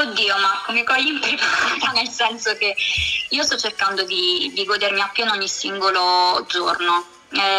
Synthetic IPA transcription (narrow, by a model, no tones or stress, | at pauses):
od̪ːiːomarkːomikɔjːimpɾepaat̪anelsɛnsokeiːost̪ɔt͡ʃːerkand̪od̪id̪iɡoːd̪eɾmiapːjɛnoɲːisiŋɡolod̪zorno | ɛ